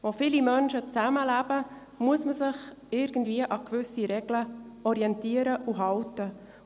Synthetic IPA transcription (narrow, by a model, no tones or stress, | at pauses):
ʋofɪlimœnʃət͡sæməlæbə | muəsməsɪχ | ɪɾɡ̥ən̩dviəʔɑkvʏsiɾɛɡ̥ləɔɾiɛntiəɾəʔuɦɑltə